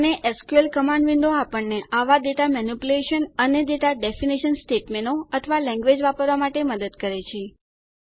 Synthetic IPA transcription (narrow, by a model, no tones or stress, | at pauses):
neʔəskuelkəmãɳɖʋind̪oapəɳːeʔaʋad̪et̪amɛnupuleʃənəned̪et̪aɖefiniʃənsʈeʈmenoət̪ʰʋalɛ̃ŋɡʋed͡ʒʋapəɾʋamaʈeməd̪əd̪kəɾet͡ʃʰe